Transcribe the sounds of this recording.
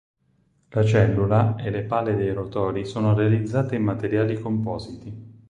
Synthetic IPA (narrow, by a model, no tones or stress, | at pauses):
lat͡ʃɛlːulaelepaːlːed̪ejrot̪ɔːɾisoːnoɾealid̪zːaːt̪eimːat̪eɾjaːlikompɔːzit̪i